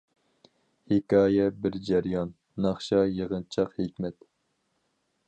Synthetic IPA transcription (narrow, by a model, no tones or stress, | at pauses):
hekʲɑːjɛbɪɾd͡ʒɛɾjɑnː | ɑχʃɑjeʁənt͡ʃʰɑqhekʲmɛt̪